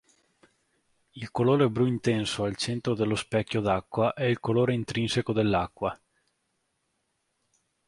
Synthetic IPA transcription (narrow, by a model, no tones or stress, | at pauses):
ilkoloːɾebɾuint̪ɛnsoalt͡ʃɛnt̪ɾod̪elːospɛkʲːjod̪akːwaʔɛilkoloːɾeint̪ɾinsekod̪elːakːwa